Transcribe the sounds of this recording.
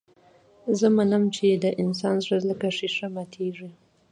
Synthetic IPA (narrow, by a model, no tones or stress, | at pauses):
zəmanəmt͡ʃed̪əʔɪns̬ɑnzɾazləkaʂiʂamat̪ʰeʐi